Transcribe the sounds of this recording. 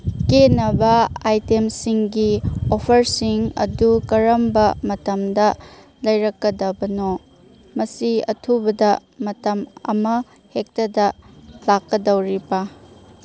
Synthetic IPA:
kenɐbɐajtemsiŋɡiopʰɐɾsiŋɐ̰dukɐɾɐmbɐmɐtɐmdɐ | lɐjɾɐkːɐdɐbɐno | mɐsiɐ̰tʰubɐdɐmɐtɐmɐ̰mɐ | hek̚tɐdɐlakːɐdɐwɾibɐ

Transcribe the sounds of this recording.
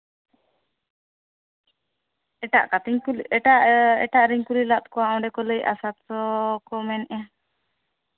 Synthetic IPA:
ɛʈa̰ʔkat̪iɲkulɛʈaʔɛ̰ʈaʔɾiɲkulilat̪̚kɔwaɔ̃ɖɛkɔləja̰sat̪sɔkɔmɛnʔa

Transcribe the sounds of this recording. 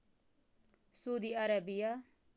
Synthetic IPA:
suːd̪iːaɾabija

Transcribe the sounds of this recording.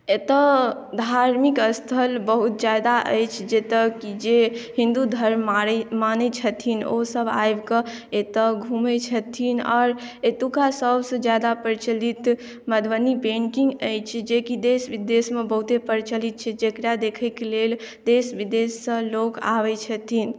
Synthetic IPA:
et̪əd̪ʱaɾmikəst̪ʰəlbəɦut̪̚d͡ʒjad̪aʔə̰jt͡ʃʰd͡ʒet̪əkid͡ʒeɦĩnd̪ud̪ʱəɾmaɾmanɛt͡ʃʰət̪ʰino̰səba̰jbkəet̪əɡʱumɛt͡ʃʰət̪ʰinɔ̰ːɾet̪ukasəbʱsə̃d͡ʒjad̪apəɾt͡ʃəlit̪ | məd̪ʋənipẽɳkiŋɡəjt͡ʃʰd͡ʒekid̪esbid̪esmebəɦut̪epəɾt͡ʃəlit̪̚t͡ʃʰɛd͡ʒekɾad̪ekʰɛkeleld̪esbid̪esːə̃loka̰ʋɛt͡ʃʰət̪ʰin

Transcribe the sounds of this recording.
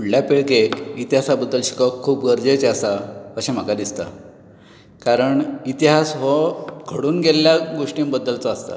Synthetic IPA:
uɽljapeɭkeit̪iɦasabəd̪ːəlɕi̥kəkʰːuːpɡəɾd͡ʑet͡ɕeasaəɕem̤akad̪ist̪a̰ | kaɾəɳit̪iɦasɦɔɡʰʱəɽuːnɡelːjaɡoʂʈĩmbəd̪ːəlt͡sɔast̪a̰

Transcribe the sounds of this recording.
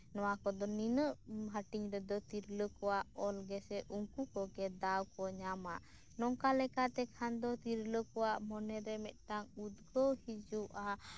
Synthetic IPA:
nɔwakɔd̪ɔninəʔɦaʈiŋɾɛd̪ɔt̪iɾləkɔwaʔɔlɡɛsɛʔuŋkukɔɡɛd̪awkɔɲamaʔ | nɔŋkalɛkat̪ɛkʰand̪ɔt̪iɾləkɔwaʔmɔnɛɾɛmɛt̪̚ʈaŋud̪ɡɔhid͡ʒuʔa

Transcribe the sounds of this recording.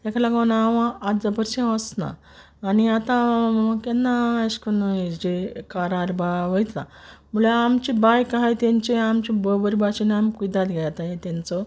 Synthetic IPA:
ekʰlaɡãnaʋãːt̪d͡zəbəɾt͡ɕẽɔsna̰ː | niat̪ãkenːaaskənd͡ʑekaɾaɾbaʋəjt̪la̰mulaamt͡ɕibajkaɦajt̪ãɲt͡ɕeamt͡ɕibəbəɾibat͡ɕinamkud̪at̪ɡʱaat̪ajet̪ant͡sɔ

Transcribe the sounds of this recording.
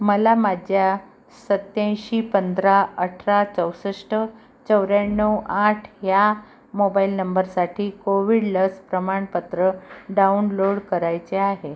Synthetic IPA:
məlamad͡ʑʱja | sət̪jãjɕiːpənd̪ɾaəʈʰɾat͡səwsəʂʈə | t͡səwɾanəwaʈʰja | mobailnəmbəɾsaʈʰiːkoʋiɽləspɾəmaɳpət̪ɾəɖaunloɽkəɾajt͡seaɦe

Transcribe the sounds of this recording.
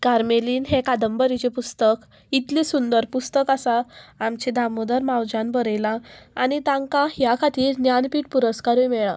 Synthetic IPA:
kaɾmeliːnɦekad̪əmbəɾit͡ɕepust̪ək | it̪lisund̪əɾpust̪əkasaːmt͡ɕed̪ʱamod̪əɾmawd͡ʑanbəɾəjlãanit̪ãŋkaɦjakʰat̪iːɾnjanpiːʈ̚puɾəskaɾujmɛɭa

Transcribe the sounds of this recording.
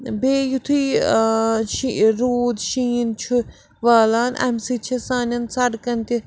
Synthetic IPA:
beːjut̪ʰi | ʃiɾuːd̪ʃiːnt͡ʃʰu | ʋaːlaːnʔɐ̰msit͡ʃʰisaːnʲɐnsɐɖkɐnt̪i

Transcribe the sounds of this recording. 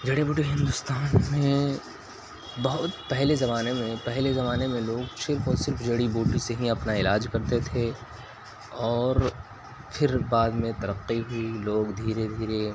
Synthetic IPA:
d͡ʒɐɽebʊʈeɦɪ̃nd̪ʊst̪aːnmẽ | bɐɦʊt̪pɛɦlezɐmaːnemẽpɛɦlezɐmaːnemẽloːɡsɪɾfɔːɾsɪɾfd͡ʒɐɽiboːʈiseɦĩɐpnaɪlaːd͡ʒkɐɾt̪et̪ʰe | ɔːɾ | pʰɪɾbaːd̪mẽt̪ɐɾəqːiɦʊiloːɡd̪ʱiːɾed̪ʱiːɾe

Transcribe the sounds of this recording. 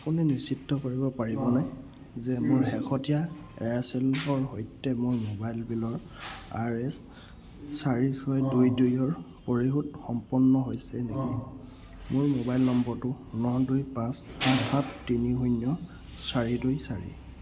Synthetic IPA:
apuninisitːɔkoɹibɔpaɹibɔnaj | zɛmʊɹɦɛkʰɔtija | ɛ̰asɛlɦɔɹɦojtːɛmojmobajlbilɔɹ | a̰ɹɛs | saɹisɔjdujdujɔɹ | poɹiɦutxɔmpɔnːɔɦojsɛneki | mʊɹmobajlnɔmbɔɹtʊ | nɔdujpasɔtʰatːiniɦujnjɔ | saɹidujsaɹḭ

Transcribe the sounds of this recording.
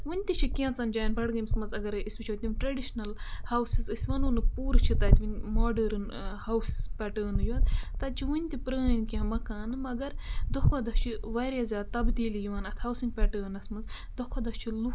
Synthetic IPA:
wunʲt̪ʲit͡ʃʰikiɐ̃nt͡sɐnd͡ʒajnpɐɽɡɐmsmɐnt͡sɐɡɐɾisbit͡ʃʰwt̪ʲinʈɾɐɖiʃnɐlhɐwsizɨsʲʋɐnunɨpuːɾt͡ʃʰit̪ɐt̪ʲʋinʲmoːɖɐɾn | hɐwspʲɐʈəːnɨjoːt̪t̪ɐt͡ʃʰiʋunʲt̪ipɾəːnkiɦɐmɐkaːnɨmɐɡɐɾd̪okʰod̪ɐst͡ʃʰiʋaːɾjazʲaːd̪̚t̪ɐbd̪iːlijiʋaːnɐt̪ʰhɐwsiŋɡpʲɛʈəːnɐsmɐt͡s | d̪okʰɐd̪ɐst͡ʃʰilu

